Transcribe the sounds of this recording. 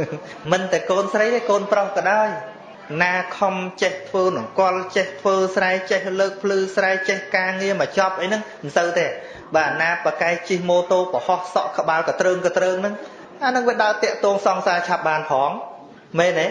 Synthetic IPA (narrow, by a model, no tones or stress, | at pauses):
mɨnt̪aɛkoːnsrəjt̪eːkoːnprohkɑɗaɔj | naːkʰɑmt͡ɕeht̪ʰʋəːnɨŋkŏəlt͡ɕeht̪ʰʋəːsraɛt͡ɕehləːk̚pʰlɨːsraɛt͡ɕehkaːŋiəmət͡ɕɑp̚ʔəjnɨŋmnsəwt̪eː | ɓaːnaːpakaɛk̚t͡ɕihmoːt̪oːpəhɑhsɑʔkə̆ɓaːlkɑt̪rəːŋkɑt̪rəːŋnɨŋ | ʔanɨŋʋiəɗaət̪ɛ̆əʔt̪ɔːŋsɑŋsaːt͡ɕʰap̚ɓaːnpʰɑːŋ | meːneː